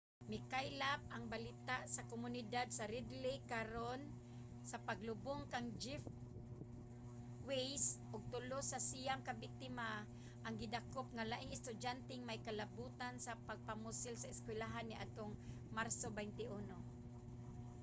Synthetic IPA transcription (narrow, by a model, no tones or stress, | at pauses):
mɪkajlap̚ʔaŋbalɪt̪aʔsakomʊnɪd̪ad̪̚saɾɪd̪lɪkaɾon | sapaɡlʊbʊŋkaŋd͡ʒɪf | wejsʔʊɡ̚t̪ʊlosasijamkabɪk̚t̪ɪma | ʔaŋɡɪd̪akop̚ŋalaʔɪŋɪst̪ʊd͡ʒant̪ɛŋmajkalabuːt̪ansapaɡ̚pamʊsɪlsaɪskwɪlaɦanːɪʔa̰t̪oŋ | maɾsobajnt̪ɪʔuno